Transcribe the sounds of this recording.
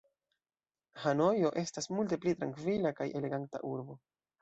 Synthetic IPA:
hano̞jo̞ʔe̞stasmult̬e̞plitɾaŋkvilakajʔe̞le̞ɡanta̰ʔuɾbo̞

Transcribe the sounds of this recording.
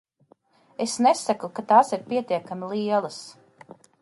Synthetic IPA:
esnesakukat̪aːsiɾpiɛt̪iɛkamilˠiɛlˠas

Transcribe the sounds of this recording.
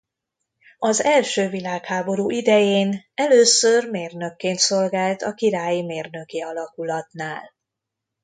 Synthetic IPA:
ɒzɛlʃøːvilaːkhaːbo̞ɾuʔid̪ɛjeːnɛløːsørmeːrnø̞kːeːnt̪so̞lɡaːlt̪ɒkiɾaːjimeːrnø̞kiɒlɒkulɒt̪naːl

